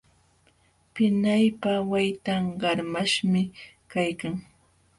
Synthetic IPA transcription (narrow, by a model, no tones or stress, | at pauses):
pɪnajpawajt̪aŋɢɑɾmaʃmɪkajkaŋ